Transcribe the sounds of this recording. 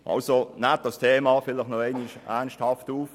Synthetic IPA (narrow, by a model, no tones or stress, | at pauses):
ʔɑ̰lsonɛːt̚d̥ɑstʰeːmɑːfɪlɪχnɔɛɪnɪʃænsthɑftuːf